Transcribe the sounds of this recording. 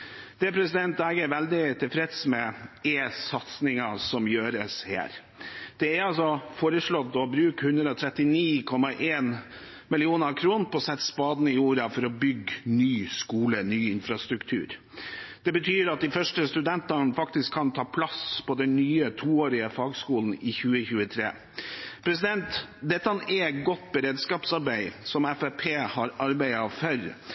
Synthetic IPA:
d̪̥ɛpʰɾɛsɪd̪ɛnt̪æːɡəɛɾʋɛld̪ɪt̪ʰɪlfɾɛt̪smɛeːsɑt̪snɪŋɑsɔmjøːɾəshæ̰ːɾ | d̪̥ɛɛɾɑls̬ɔfoːɾəʂɭɔt̪ːɔbɾʉːkhʉnd̪ɾəɔt̪ʰɾɛt̪ɪniːkʰɔmɑʔeːn | mɪlɪuːnəkʰɾuːn̩pɔsɛt̪ːspɑːd̪nəɪuːɾɑfɔɾɔbʏɡnyːskuːlənyːɪnfɾɑst̪ɾʉkt̪ʰʉ̰ːɾ | d̪̥ɛbət̪ʰyːɾɑt̪̚d̪ɪfœʂʈəst̪ʉd̪ɛnt̪ɑnfɑkt̪ɪskʰːɑnt̪ʰɑːpʰlɑspɔd̪ɛnnyːət̪ʰuːoːɾɪəfɑːɡskuːln̩ɪçʉːəçʉːət̪ʰɾḛː | pʰɾɛsɪd̪ɛnt̪d̪ɛt̪ːəɑnɛɡɔt̪bəɾeːd̪skɑːpsɑɾbæɪsɔmɛfɛpʰeːhɑɾɑɾbæɪɑfœɾ

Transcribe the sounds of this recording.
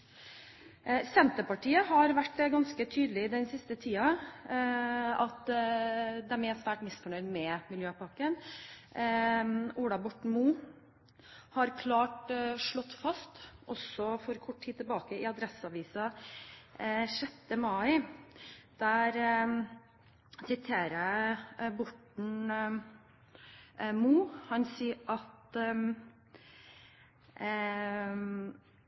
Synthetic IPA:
sɛnt̪əpɑʈʰiːəɦɑɾʋæʈːɡɑnskət̪ʰyːd̪əlɪd̪ɛnsɪst̪ət̪ʰiːɑ | ɑt̪ | d̪ɛæmɛsʋæːʈmɪsfɔɳœʏd̪mɛmɪljøːpɑkːən | uːɽɑbɔʈɳmuː | hɑɾkʰlɑːʈʂɭɔt̪ːfɑst̪ʔɔsɔfɔɾkʰɔʈːt̪ʰiːd̪̚t̪ʰɛlbɑːkəɪɑd̪ɾɛsəɑʋiːsɑ | ʂɛt̪ːəmɑɪ | d̪̥æɾ | sɪt̪ʰeːɾəbɔʈɳ̩ | muːhɑnsiːʔɑt̪

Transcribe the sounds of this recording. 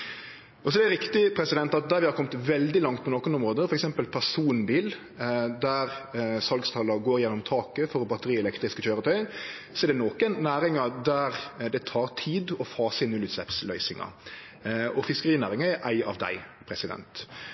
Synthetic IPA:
ɔsɔd̪ɛæɾɪkt̪ɪpʰɾɛsɪd̪ɛnt̪ɑt̪̚d̪æɾʋɪhɑɾkʰɔmt̪ʋɛld̪ɪlɑŋt̪̚pʰɔnoːkənɔmʁoːd̪əfɔɾɛksɛmpəlpʰæʁsuːnbiːl | d̪æɾsɑlɡst̪ʰɑlɑɡoːɾjɛnːɔmt̪ʰɑːkəfɔɾɔbɑt̪əɾiːɛlɛkt̪ɾɪskəçøːɾət̪ʰœʏ | sɔɛɾd̪ɛnoːkənːæːɾɪŋɑd̪æɾd̪ɛt̪ʰɑːɾt̪ʰiːd̪ɔfɑːsəɪnːʉlʉːt̪slɛ̰pslœʏsɪŋɑ̰ | ɔfɪskəɾiːnæːɾɪŋɑɛʔæɪɑ̰ʋd̪æ̰ɪpʰɾɛsɪd̪ɛ̰nt̪

